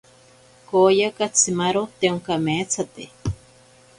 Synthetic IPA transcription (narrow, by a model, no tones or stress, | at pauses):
kojakat͡sʰimaɾot̪euŋkamet͡sʰat̪e